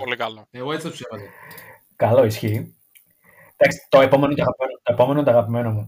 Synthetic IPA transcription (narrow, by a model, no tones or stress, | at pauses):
polikɐloeɣoet͡siɐusevɐt̪e | kɐlo̞isçi | t̪ɐksi̥t̪o̞epo̞menot̪oɐɣɐpimenout̪oepo̞me̞not̪oɐɣɐpime̞nomu